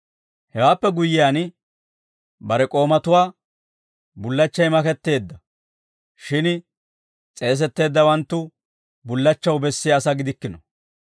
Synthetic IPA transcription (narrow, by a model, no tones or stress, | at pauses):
hɛwaːpːɛɡʊjːɪjaːn | bɐɾɛkʼo̞ːmɐt̪ʊwaː | bʊlːɐt͡ʃːɐjmɐkɛt̪ːe̞ːd̪ːɐ | ʃɪn | t͡sʼe̞ːs̬ɛt̪ːe̞ːd̪ːɐwɐnt̪ːʊ | bʊlːɐt͡ʃːɐwbɛsːɪjaːsɐɡɪd̪ɪkːɪnɔ